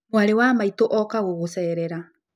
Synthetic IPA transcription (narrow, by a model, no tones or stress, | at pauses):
oaɾewaːmaitoʔɔkaɣoɣosɛːɾɛɾa